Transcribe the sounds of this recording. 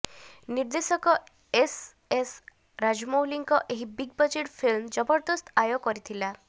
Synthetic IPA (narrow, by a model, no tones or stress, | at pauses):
niɾd̪esɔkɔ | es | es | ɾad͡ʒmowliŋkɔʔeɦibiɡbɔd͡ʒeʈpʰilmd͡ʒɔbɔɾd̪ɔst̪ajɔkɔɾit̪ʰila